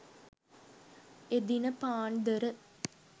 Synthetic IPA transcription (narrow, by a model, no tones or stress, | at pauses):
ed̪inɐpaːɳd̪ɐɾɐ